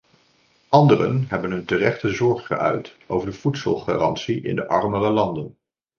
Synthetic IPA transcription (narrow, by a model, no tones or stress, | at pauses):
ʔɑndərə̰nɦɛbənɦɵntərɛχtəzɔɹχχə̰ʔœ̰ɥtʔo̰wvəɹdəv̥utsə̰lˠχa̰ːrɑntsiɪ̰ndəʔɑɹmərəlɑndən